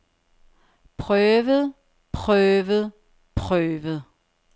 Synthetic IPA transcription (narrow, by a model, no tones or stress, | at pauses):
pʰʁœːʋəð̩ˠ | pʰʁœːʋəð̩ˠ | pʰʁœːʋð̩ˠ